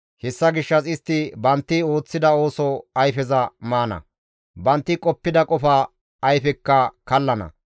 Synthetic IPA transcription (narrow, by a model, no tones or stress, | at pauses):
hɛsːɐɡɪʃːɐsɪst̪ːɪbɐnt̪ːɪo̞ːt͡sːɪd̪ɐo̞ːsɔɐjfɛzɐmaːnɐ̰ | bɐnt̪ːɪkʼɔpːɪd̪ɐkʼɔfɐː | jfɛkːɐkɐlːɐnɐ̰